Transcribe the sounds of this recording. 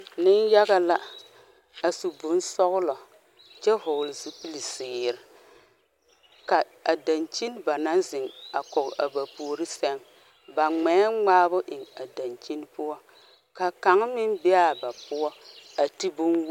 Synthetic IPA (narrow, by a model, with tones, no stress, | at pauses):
nɪ˦nja˦ɣa˦la˦ | a˨su˨bʊ˦n˦sɔ˦ɣʊ˦lɔ˨ | t͡ʃɛ˦ɦo˨lzi˦pi˦li˨sɪː˨ɾɪ˨ | ka˨ | a˨da˨nt͡ʃi˦n˦ba˨na˦nzɪ˨ŋa˨kɔ˨ka˨ba˨pu˨ɾi˦sɛ˦ŋ | ba˨ŋ͡mɛ˨˦ŋ͡maː˦bʊ˦ʔɪ˨ŋa˨da˨nt͡ʃi˦n˦pʊ˦ɔ˦ | ka˨ka˨˦ŋ˦mɪ˦nbɛ˦a˨ba˨pʊ˦ɔ˦a˨ti˦bʊ˦nw